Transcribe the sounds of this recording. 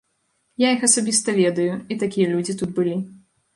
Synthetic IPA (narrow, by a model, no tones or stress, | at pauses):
jaixɐsabʲist̪ɐvʲɛd̪ɐjuit̪akʲijɐlʲud͡zʲit̪ut̪̚bɨlʲi